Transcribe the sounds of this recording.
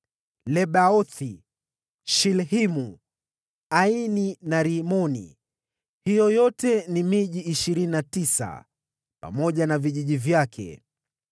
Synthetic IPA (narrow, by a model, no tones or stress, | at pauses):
lɛɓaɔθi | ʃilhimu | aininaɾimɔnḭ | hijɔjɔtɛnimiʄiʔːʃiɾininatisa̰ | pa̰mɔʄanaviʄiʄivjakʰɛ̰